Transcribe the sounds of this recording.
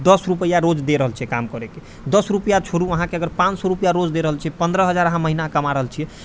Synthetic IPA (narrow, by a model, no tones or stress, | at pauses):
d̪əsɾupəjaɾod͡ʒd̪eɾəɦəlt͡ʃʰɛkamkəɾeke | d̪əsɾupəjat͡ʃʰoɾuəɦãkeəɡəɾpãt͡ʃsɔɾupjaɾod͡ʒd̪eɾəɦəlt͡ʃʰiɛpənd̪ɾəɦəd͡ʒaɾəɦãməɦinakəmaɾəɦəlt͡ʃʰiɛ